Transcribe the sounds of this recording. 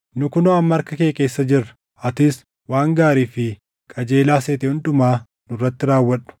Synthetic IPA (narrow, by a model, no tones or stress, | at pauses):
nʊkʊnoːɐmːɐɐɾkɐkeːke̞ːsːɐd͡ʒɪrːɐ̥ | ɐt̪ɪs | waːŋɡaːɾiːfɪ | kʼɐd͡ʒe̞ːlaːseːt̪ɛhʊnᶑʊmaː | nʊrːɐt̪ːɪɾaːwːɐᶑʊ̥